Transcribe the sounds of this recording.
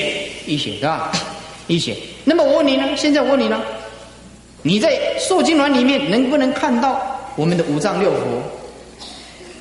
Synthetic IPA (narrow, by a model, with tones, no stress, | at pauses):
i˥˩ɕjɛ̰˨˩t̪a˨˩i˥˩ɕjɛ̰˨˩˦na˥˩mə˨wɔ˧˥ni˨˩nə˧˦ɕjɛ˥˧nt͡sa˥˩ɪwɔ˧˥ni˨˩nə˧˦ | ni˨˩t͡sa˥˧ɪso˥˩ʊt͡ɕi˥ŋlwa˧˥nli˨˩mjɛ˥˨nnə˧˥ŋpu˥˩nə˧˦ŋkʰa˥˧nt̪ɑ˥˩ʊwɔ˨˩mə˨nd̪ə˨u˨˩t͡sɑ˥˧ŋljo˥˩ʊxwɔ˧˥